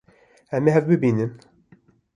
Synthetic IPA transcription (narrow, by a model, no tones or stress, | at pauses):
ɛmeɦɛvbɨbiːnɨm